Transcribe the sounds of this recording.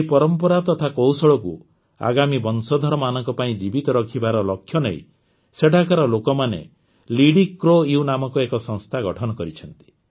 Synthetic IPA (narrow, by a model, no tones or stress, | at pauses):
epɔɾɔmpɔɾat̪ɔt̪ʰakowsɔɭɔku | a̰ɡamibɔnsɔd̪ʱɔɾɔmanɔŋkɔpaĩd͡ʒibit̪ɔɾɔkʰibaɾɔlɔkʰjɔneḭ | seɖʱakaɾɔlokɔmanḛ | liɽikːɾojunamɔkuekɔsɔŋst̪ʰaɡɔʈʰɔnɔkɔɾit͡ʃʰɔnt̪i̥